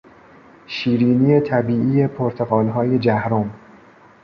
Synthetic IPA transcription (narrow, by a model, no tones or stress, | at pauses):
ʃiːɾiːnije̞t̪ʰæbiːʔiːje̞pʰoɾt̪ʰeɣɒːlɦɒːje̞d͡ʒæhɾom